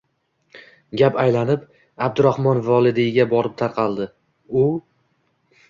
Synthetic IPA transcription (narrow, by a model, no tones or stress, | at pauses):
ɡʲapajlanɪp | ab̚d̪ʊɾahmɒnvɒlˠɪd̪ɪɡʲabɒɾɪp̚t̪ʰaɾqʰɑlˠd̪ɪ | ʊ